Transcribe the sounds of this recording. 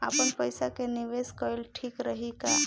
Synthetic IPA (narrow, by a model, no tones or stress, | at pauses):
apənpəjsakeniʋeskɔjlʈʰikɾəɦika